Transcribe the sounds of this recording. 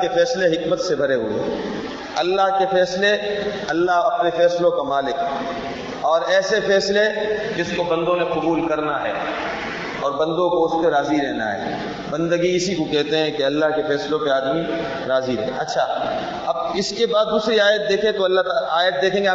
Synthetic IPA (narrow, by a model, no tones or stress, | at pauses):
kefɛːsleɦɪkmət̪sebʱɐɾeɦʊḛɦɛ̰ | ɐlːaɦkefɛːsle | ɐlːaɦɐpnefɛːslõkamaːlɪk | ɔːɾɛːsefɛːsled͡ʒɪskobɐ̃nd̪õneqʊbuːlkɐɾnaɦɛ̰ː | ɔːɾbɐ̃nd̪õkoʊskeɾaːziɾɛɦna̰ɦɛ̰ː | bɐ̃nd̪əɡiɪsikokɛɦt̪eɦɛ̃keɐlːaɦkefɛːslõpeaːd̪mi | ɾaːziɾɛ̰ɦɐtːʃʰa | ɐb̚ɪskebaːd̪ːuːsɾiaːjət̪̚d̪eːkʰẽt̪oɐlːaɦt̪aaːjət̪̚d̪eːkʰẽːŋɡe